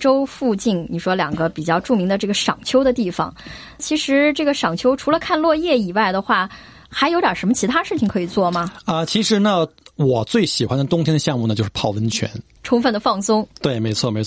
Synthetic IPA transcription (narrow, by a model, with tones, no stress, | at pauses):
ʈ͡ʂo˥ʊfu˥˧t͡ɕi˥˩nni˨˩ʂwɔ˥ljɑ˨˩ŋɡə˦pi˨˩t͡ɕjɑ˥˧ʊʈ͡ʂu˥˩mi˧˥ŋd̪ə˧ʈ͡ʂɤ˥˩ɡə˩ʂɑ˨˩ŋt͡ɕʰjo˥ʊd̪ə˧t̪i˥˩fɑ̰˩˦ŋ | t͡ɕʰi˧˥ʂɻ̩˧˥ʈ͡ʂɤ˥˩ɡə˩ʂɑ˨˩ŋt͡ɕʰjo˥ʊʈ͡ʂʰu˧˥lə˧kʰa˥˧nlwɔ˥˧jɛ˥˩i˨˩wa˥˩ɪd̪ə˩xwa˥˩ | xa˧˥ɪjʊjɑ˨˩ʂə˧˥mə˧t͡ɕʰi˧˥t̪ʰa˥ʂɻ̩˥˩t͡ɕʰi˩ŋkʰɤ˧˥i˨˩t͡swɔ˥˩mɐ˩ə˧t͡ɕʰi˧˥ʂɻ̩˧˥nə˧wɔ˨˩t͡swe˥˩ɪɕi˨˩xwa˦nd̪ə˨t̪ʊ˥ŋt̪ʰjɛ˥nəɕjɑ˥˧ŋmu˥˩nə˩t͡ɕjo˥˧ʂ̩˥pʰɑ˥˩ʊwə˥nt͡ɕʰɥɛ̰˧˥n | ʈ͡ʂʰʊ˧˥ŋfə˥˩nd̪ə˩fɑ˥˩ŋsʊ˥ŋt̪we˥˩ɪme˧˥ɪt͡sʰwɔ˥˩me˧˥ɪ˥